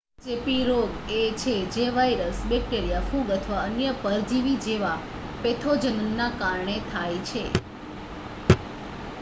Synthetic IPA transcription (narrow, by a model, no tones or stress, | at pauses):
t͡ʃepiɾoɡet͡ʃʰed͡ʒeʋajɾəsbɛk̚ʈeɾijafuɡət̪ʰʋaənjəpəɾd͡ʒiʋid͡ʒeʋa | pet̪ʰod͡ʒənənːakaɾɳet̪ʰajt͡ʃʰe